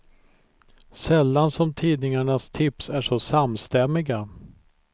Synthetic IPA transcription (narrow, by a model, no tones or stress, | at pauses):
sɛlːansɔmt̪ʰiːd̪nɪŋaɳast̪ʰɪpsæʂɔsamːst̪ɛmːɪɡa